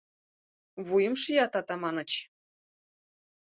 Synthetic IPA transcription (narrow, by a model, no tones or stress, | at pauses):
βujə̆mʃjɑt̪ɑt̪ɑmɑnɤ̆t͡ɕ